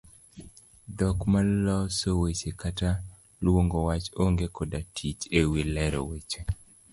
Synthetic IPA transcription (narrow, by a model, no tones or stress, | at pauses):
dɔkmallɔsowet͡ʃekata | lwoŋɡowat͡ʃoŋɡekɔdatʰit͡ʃewilɛɾo̰wet͡ʃe